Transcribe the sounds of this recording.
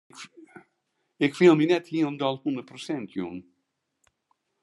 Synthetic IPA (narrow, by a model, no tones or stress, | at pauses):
ɪkfilˠminɛthilˠnd̪ɔlˠhundəɾpɾɔsɛnt̪ʰjṵn